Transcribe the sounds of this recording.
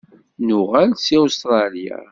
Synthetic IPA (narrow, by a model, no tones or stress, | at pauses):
nʊʁælsiust̪ɾˤɑlija̰